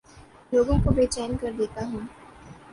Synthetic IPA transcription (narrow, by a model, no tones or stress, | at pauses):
loːɡõkobeːt͡ʃɛːnkɐɾd̪eːt̪aɦũː